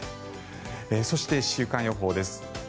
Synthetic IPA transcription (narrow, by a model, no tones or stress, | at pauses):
eso̞ɕi̥t̪e̞ɕɨːkãɰ̃jo̞ɦo̞ːd̪e̞sɨ̥